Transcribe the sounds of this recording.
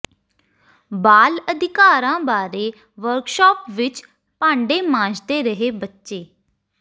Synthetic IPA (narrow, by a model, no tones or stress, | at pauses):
baːləd̪ɪkaːɾãːbaːɾeː | ʋəɾkʃɔːpʋɪt͡ʃ | pãːɳɖeːmãːd͡ʒd̪eːɾəɦeːbətːʃeː